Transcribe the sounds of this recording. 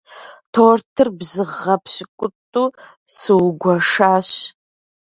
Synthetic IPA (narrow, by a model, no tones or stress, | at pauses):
tʰoːrtʰɨrbzɨʁɐpʰɕɪkʷʼʊtʼuː | sɨwɡʷɐʂaːɕ